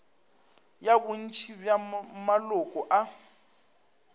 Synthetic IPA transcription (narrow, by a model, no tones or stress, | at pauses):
jabun̩t͡ʃʰibjamalʊkʼɔʔa